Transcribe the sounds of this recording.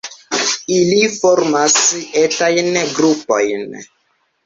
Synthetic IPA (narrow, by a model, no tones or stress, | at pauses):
ilifɔɾmasɛtajnɡɾupojn